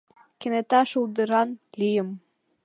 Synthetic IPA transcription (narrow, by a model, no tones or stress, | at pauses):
kenet̪ɑʃuld̪əɾɑnlijə̆m